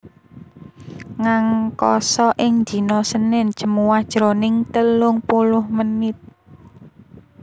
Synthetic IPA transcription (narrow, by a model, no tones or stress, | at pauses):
ŋaŋkɔsɔʔɪŋɲd͡ʒ̥i̤nɔsənɪnd̥ʒ̥ə̤muwahd̥ʒ̥ɾonɪŋt̪əlʊŋpulʊhmənɪt̪̚